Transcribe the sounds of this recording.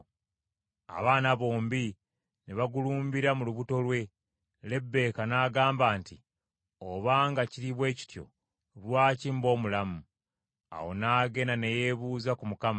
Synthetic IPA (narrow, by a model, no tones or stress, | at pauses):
a̰βaːnaβo̞ːmbi | neβaɡuluːmbiɾamuluβuto̞lwe̞ | le̞bːe̞ːkanaːɡaːmbaːnti | oβaːŋɡaciɾiβwe̞ːci̥tjo̞̰ | βwaːcimbo̞ːmulamu | a̰wo̞̰naːɡe̞nane̞je̞βuːzakumukama